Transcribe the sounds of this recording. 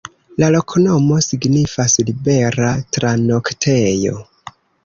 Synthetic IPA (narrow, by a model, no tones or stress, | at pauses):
lalo̞kʰonomo̞siɡnifaslibe̞ɾatɾanoktʰejo̞̰